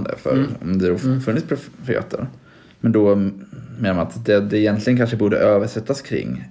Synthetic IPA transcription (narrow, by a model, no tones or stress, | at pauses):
d̪ə̰fœ̰ɾɔ̰md̪ɛd̪ɔfɵnːɪtspʰɾʊfɪḛːt̪ʰːə̰ɾ | mɛnd̪ɔ | meːnamanat̪d̪ɛd̪ɛːjɛnt̪lɪɡənkanʂəbuːɖə̰ʔøːvəʂɛt̪ːaskʰɾɪ̰ŋː